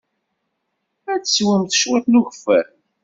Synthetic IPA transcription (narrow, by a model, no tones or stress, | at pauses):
æt͡sswəmθʃwæθnuʝfæ̰ɾ